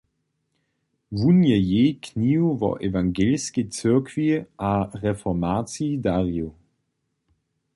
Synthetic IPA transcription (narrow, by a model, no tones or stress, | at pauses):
vunjəjeːkniːwvɔ̰ʔevaŋɡeːlskət͡sɪɐkʰv̥iʔaʁɛfɔmaːt͡sidaʁiʊ